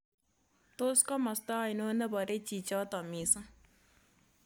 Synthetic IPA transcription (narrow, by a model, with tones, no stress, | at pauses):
t̪o˦skɔ˦mɔ˨st̪a˦˨i˨no˦nɛ˦bɔ˨ɾe˦t͡ʃi˨t͡ʃɔ˦t̪ɔ˨mi˨sa˦